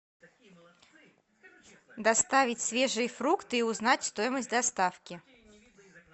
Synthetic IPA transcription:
d̪ast̪avʲit͡sʲsʲvʲɛʐɨjəfɾukt̪ɨːuznat͡sʲst̪ojməsʲtʲd̪ɐst̪afkʲi

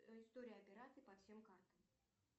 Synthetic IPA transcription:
ɪst̪oɾʲɪjɐpʲɪɾat̪sɨjpɐfsʲemkart̪əm

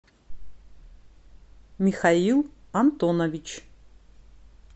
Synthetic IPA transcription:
mixailˠamt̪onɐvit͡ʃʰ

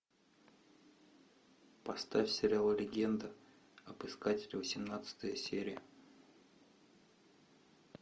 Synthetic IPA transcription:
pɐst̪afʲsʲɪɾʲɪalˠəlʲɪɡʲe̞nd̪ɨ | ɐbɨskatʲɪlʲɪvəsʲɪmnat̪sɨ̥t̪əjəsʲeɾʲɪjə

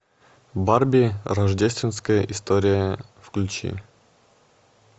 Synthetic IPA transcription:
barbʲirɐʐdʲesʲt̪vʲɪnskəjəʔist̪oɾʲɪjəfklʲʉt͡ɕḭ

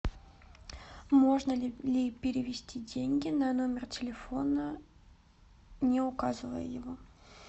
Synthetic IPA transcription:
mo̞ʐnəlʲɪlʲɪpʲɪɾʲɪvʲɪsʲtʲidʲenʲɡʲɪnɐno̞mʲɪrtʲɪlʲɪfo̞nə | nʲɪʊkazɨvə̰jə̰jɪvo

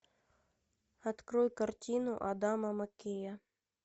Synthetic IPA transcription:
ɐt̪kɾɔjkɐrtʲinʊʔɐd̪amɐmɐkʲejɐ

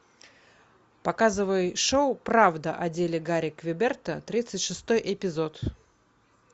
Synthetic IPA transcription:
pɐkazɨvəjʂoʊpɾavd̪əʔɐdʲelʲɪɡaɾʲɪkvʲɪbʲert̪ət̪ɾʲit̪sɨtʲʂɨst̪o̞jʔɪpʲɪzo̞t̪

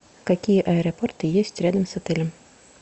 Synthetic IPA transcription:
kɐkʲijəʔɐɛɾɐport̪ɨjesʲtʲɾʲad̪əmsɐt̪ɛlʲəm

